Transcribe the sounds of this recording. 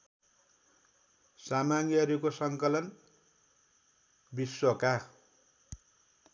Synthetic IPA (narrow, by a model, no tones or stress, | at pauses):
samaɡiʌɾukosʌŋkʌlʌn | bisːoka